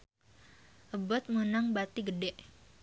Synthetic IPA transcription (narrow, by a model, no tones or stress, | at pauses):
ʔəbɔt̪̚munaŋbat̪iɡədɛʔ